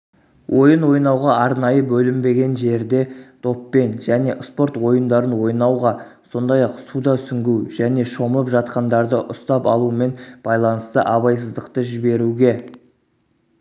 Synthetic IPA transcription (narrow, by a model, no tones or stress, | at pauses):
wʔo̞jənwo̞jnɑwʁɑʔɑɾnɑjəbɵlɪmbe̞ɡʲe̞nʒe̞ɾd̪e̞t̪ʰo̞pːe̞nʒæne̞ʔspo̞ɾt̪wo̞jənd̪ɑɾənwo̞jnɑwʁɑso̞nd̪ɑjɑqsud̪ɑsʏŋɡʲuwʒ̥æne̞ʃo̞məpʒɑt̪̚qɑnd̪ɑɾd̪əʔʊst̪ɑpɑ̰lˠuəme̞nb̥ɑjlˠɑnəst̪əʔɑβɑjs̬əzd̪əqt̪əʒɪbe̞ɾuɡʲe̞